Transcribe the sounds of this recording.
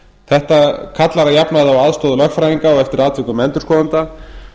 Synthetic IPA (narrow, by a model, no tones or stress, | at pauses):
θɛht̪akʰat̪laɾajapnaðavaðst̪ɔːðʏlœxkfɾajiŋkaɔɣɛft̪ɪɾaːt̪vɪkʏmɛnt̪ʏɾ̥skɔːðant̪a